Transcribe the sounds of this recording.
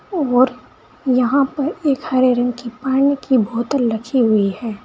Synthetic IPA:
ɔːɾ | jɐɦãpɐɾeːkhɐɾeɾɐ̃ŋɡkipaːɽ̃ekibʱoːt̪əlːɐkʰiɦʊiɛː

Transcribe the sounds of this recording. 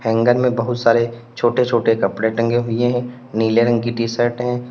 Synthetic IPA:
hɛ̃ːŋɡəɾmẽbɐɦʊt̪saːɾe | t͡ʃʰoːʈet͡ʃʰoːʈekɐpɽeʈɐ̃ŋɡeɦʊieɦɛ̃ː | niːleɾə̃ŋɡiʈiːsəɾʈɦɛ̃ː

